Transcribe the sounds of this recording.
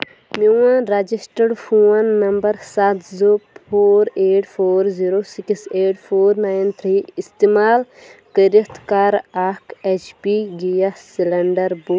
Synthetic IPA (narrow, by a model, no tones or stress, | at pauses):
miwãɾɐd͡ʒisʈəɖfʰuːɐnːɐmbɐɾsɐt̪zopʰoːɾeːʈfʰoːɾziɾoːsikseːʈfʰoːɾnaːjnt̪ʰɾiːist̪imaːl | kəɾikt̪kaːɾaːket͡ʃpiɡijasilɐɳɖɐɾbuː